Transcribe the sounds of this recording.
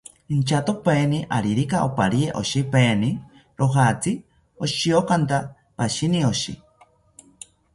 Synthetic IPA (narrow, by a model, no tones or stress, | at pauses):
int͡ʃat̪opeːniʔaɾiɾikaʔopaɾieʔo̰ʃipeːni | ɾoɦat͡si | oʃiokant̪a | paʃinioʃḭ